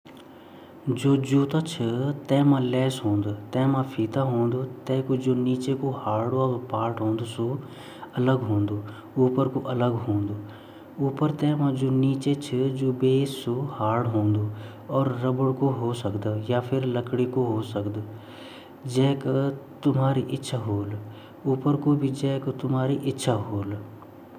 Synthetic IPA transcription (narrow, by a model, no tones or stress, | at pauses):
d͡ʒoːd͡ʒuːt̪aːt͡ʃʰət̪ɛ̃ːmãːlɛːsɦõːnd̪ət̪ɛ̃ːmãpʰiːt̪aɦõːnd̪oːt̪ɛ̃ːkod͡ʒoːniːt͡ʃekohaːɽoaːpaːʈɦõːnd̪oso | ələɡɦõːnd̪oː | uːpəɾkoʔələɡɦõːnd̪oː | uːpəɾt̪ɛ̃ːmãd͡ʒoːniːt͡ʃet͡ʃʰəd͡ʒoːbeːsohaːɽɦõːnd̪oː | ɔːɾːəbəɽkoɦosəkd̪japʰɪɾləkɽikoɦoːsəkd̪ | d͡ʒɛːkt̪ʊmɦaːɾiʔɪtːʃʰaɦoːl | uːpəɾkobʱid͡ʒɛ̃ːkt̪ʊmɦaːɾiʔɪtːʃʰaɦoːl